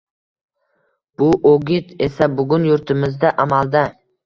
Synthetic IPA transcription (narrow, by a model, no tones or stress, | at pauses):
b̥ʊʔoɡʲɪt̪e̞sabʊɡʊnjʊɾt̪ʰɪmɪzd̪aʔamalˠd̪a